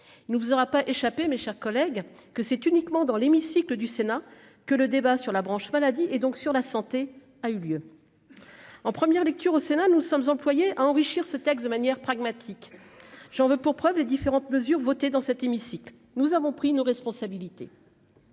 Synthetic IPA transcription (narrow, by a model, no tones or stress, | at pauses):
ilnəvuzɔʁapaʔeʃapemeʃɛʁkɔlɛɡ | kəsɛt̪ynikmɑ̃d̪ɑ̃lemisikləd̪ysena | kələd̪ebasyʁlabʁɑ̃ʃmalad̪iʔɛd̪ɔ̃ksyʁlasɑ̃t̪e | ayljø | ɑ̃pχəmjɛʁlɛk̚t̪yʁosenanusɔmzɑ̃plwajeʔaɑ̃ʁiʃiʁsət̪ɛks̬d̪əmanjɛʁpχaɡmat̪ʰik | ʒ̥ɑ̃vøpuʁpχœvled̪ifeʁɑ̃t̪məzyʁvot̪ed̪ɑ̃sɛt̪emisikl | nuzavɔ̃pχinoʁɛspɔ̃sabilit̪ḛ